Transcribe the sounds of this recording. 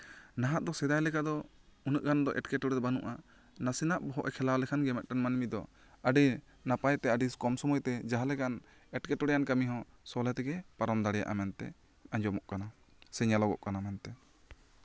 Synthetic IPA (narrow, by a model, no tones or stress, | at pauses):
naɦaʔd̪ɔsɛd̪ajlɛkad̪ɔ | unəʔɡand̪ɔʔɛʈkɛʈɔɽɛd̪banṵʔa | nasinaʔbɔɦɔʔɛkʰɛlawlɛkʰanɡɛmɛt̪̚ˀʈanmanmid̪ɔ | əɖi | napajt̪ɛəɖiskɔmsɔmɔjt̪ɛd͡ʒaɦalɛkan | ɛʈkɛʈɔɽɛjankamiɦɔ̃sɔlɛt̪ɛɡɛpaɾɔmd̪aɽɛja̰ʔamɛnt̪ɛ̰ | ãɲd͡ʒɔmɔʔkana | sɛɲalɔɡɔ̰ʔkanamɛnt̪ɛ